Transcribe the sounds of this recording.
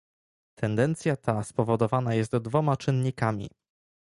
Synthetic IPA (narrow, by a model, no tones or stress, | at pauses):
t̪ʰɛnd̪ɛnt̪sʲjat̪ʰaspɔvɔd̪ɔvanajɛst̪d̪vɔmat͡ʂɘnɲikamʲḭ